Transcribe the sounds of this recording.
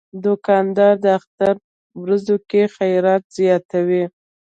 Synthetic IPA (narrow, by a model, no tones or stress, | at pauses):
d̪ʊkɑnd̪ɑɾd̪əaxt̪aɾ | wɾazokexajɾɑt̪z̥jɑt̪awi